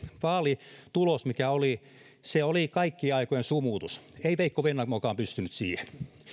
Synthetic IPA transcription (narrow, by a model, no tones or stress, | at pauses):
ʋɑːlit̪ulosmikæoli | seolikɑikːiːɑikojensumuːt̪useiʋeikːoʋenːɑmokɑːmpyst̪ynyt̪siːhen